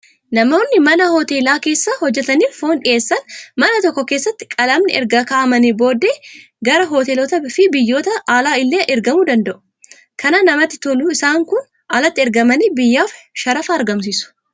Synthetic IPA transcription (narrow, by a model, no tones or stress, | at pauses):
nɐmo̞ːnːɪmɐnɐhoːt̪e̞ːlaːke̞ːsːɐhɔd͡ʒːɛt̪ɐniːlfoːnᶑɪʔe̞ːsːɐnmɐnɐt̪ɔkːɔke̞ːsːɐt̪ːɪ̥kʼɐlɐmnɪʔɛ̰ɾɡakaːʔɐmɐnibo̞ːd̪ːeː | ɡɐɾɐɦo̞ːt̪eːlɔt̪ɐɪfɪbɪjːo̞ːt̪ɐaːlaːɪlːeːʔɛɾɡɐmud̪ɐnd̪ɐʔʊ | kʰɐnanɐmɐt̪ːɪt̪ɔluɪsaːŋkʊn | ɐlɐt̪ːɪɛɾɡɐmɐniːbɪjːaːfʃɐɾɐfaːɐɾɡɐms̬iːsʊ̥